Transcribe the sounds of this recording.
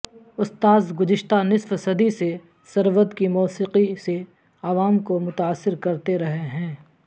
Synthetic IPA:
ʊst̪aːzɡʊzɪʃt̪anɪsfsɐd̪ise | sɐɾʋəd̪kimɔːsiːqise | aʋaːmkomʊt̪aːsːɪɾkɐɾt̪eɾɐɦeɦɛ̃ː

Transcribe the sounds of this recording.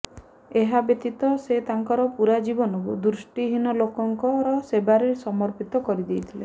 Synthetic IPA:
eɦabet̪it̪ɔset̪aŋkɔɾɔpuɾad͡ʒibɔnɔkud̪ɾusʈiɦinɔlokɔŋkɔɾɔsebaɾesɔmɔɾpit̪ɔkɔɾid̪ejt̪ʰile

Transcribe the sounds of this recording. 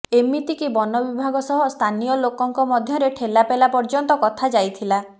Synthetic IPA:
emit̪ikibɔnɔbibʱaɡɔsɔɦɔst̪ʰanijɔlokɔŋkɔmɔd̪ʱjɔɾeʈʰelapelapɔɾd͡ʒɔnt̪ɔkɔt̪ʰad͡ʒajt̪ʰila

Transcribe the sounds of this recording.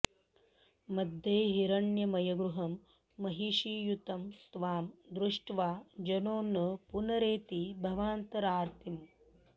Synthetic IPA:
mɐd̪ʱjeːɦiɾɐɳjɐmɐjɐɡɾuɦɐmː | ɐɦiʃiːjut̪ɐmst̪ʋaːmd̪ɾuʂʈʋaːd͡ʒɐnoːnɐpunɐɾeːt̪ibʱɐʋaːnt̪ɐɾaːɾt̪ʰim

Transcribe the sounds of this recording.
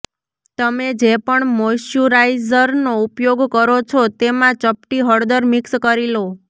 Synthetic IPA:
t̪əmed͡ʒepəɳmoʃjuɾajzəɾnoupjoɡkəɾot͡ʃʰot̪emãt͡ʃəpʈiɦəɽd̪əɾmikskəɾilo

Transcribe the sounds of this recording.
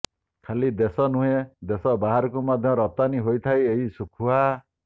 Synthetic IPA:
kʰalid̪esɔnuɦed̪esɔbaɦaɾɔkumad̪ʱjɔɾɔt̪aniɦojt̪ʰajeɦisukʰuɦa

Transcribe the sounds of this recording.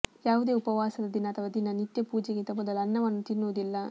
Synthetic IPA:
jaːʋud̪e̞ːupɐʋaːsɐd̪ɐd̪inːɐɐt̪ʰɐʋad̪inːɐnit̪jɐpuːd͡ʒeɡint̪ɐmɔd̪ɐlɐnːɐʋɐnːut̪inːuʋɐd̪ilːɐ

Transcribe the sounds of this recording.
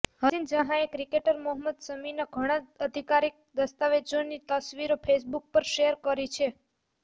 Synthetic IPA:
ɦəind͡ʒəɦãekɾikeʈəɾmuɦəməd̪səminaɡʱəɽ̃aəd̪ʱikaɾik̚d̪əst̪aʋed͡ʒonːit̪əsʋiɾopʰesbuk̚pəɾʃejəɾkəɾit͡ʃʰe

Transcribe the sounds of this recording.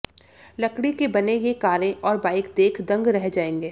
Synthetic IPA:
lɐkɽikebɐnejekaːɾẽʔɔːɾbaːɪkd̪eːkʰd̪ɐ̃ŋɡɾɛɦd͡ʒaːẽːŋɡeː

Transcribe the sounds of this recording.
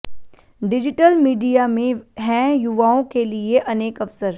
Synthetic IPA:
ɖɪd͡ʒɪʈəlmiːɖijamẽɦɛ̃jʊʋaːõkelieʔɐneːkɐfsəɾ

